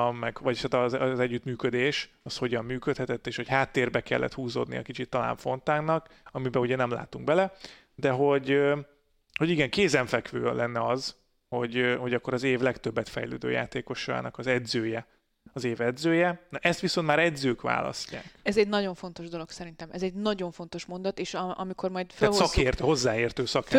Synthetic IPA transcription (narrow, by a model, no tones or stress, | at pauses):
mmɛɡʋɒɟt̪aːt̪ɒzɛɟːyt̪myːkød̪eːʃ | ɒsho̞ɟɒmːyːkøt̪hɛt̪ɛt̪ːeːʃho̞chaːt̪ːeːrbɛkɛ̰lːʔɛ̰t̪huːzoːd̪nḭɒ̰kit͡ʃit̪ːɒla̰ːɱfo̞nt̪aːɡnɒkɒmibɛuɟɛnɛmla̰ːt̪uŋɡbɛlɛ | d̪ɛɦo̞ɟø | ho̞ɟiɡɛŋkeːzɛɱfɛkʋø̰ːlʔɛnːɛɒz | ho̞ɟho̞ɟɒkːo̞ɾɒzeːvlɛkt̪øbːɛt̪fɛ̰jlø̰ːd̪ø̰ːja̰ːt̪eːko̞ʃɒ̰ːnɒkɒzɛd̪zøːjɛ | ɒzeːvɛd̪zøːjɛnɒʔɛst̪ʋiso̞nt̪maːɾɛd̪zøːkʋa̰ːlɒ̰scːa̰ːkɛzɛɟnɒɟo̞ɱfo̞nt̪o̞ʒd̪o̞lo̞ksɛɾint̪ɛmɛzɛɟnɒɟo̞ɱfo̞nt̪o̞ʃmo̞nd̪ɒt̪eːʃɒʔɒmiko̞rmɒjd̪følsɒkeːrt̪ːho̞zːaːeːrt̪øːsɒk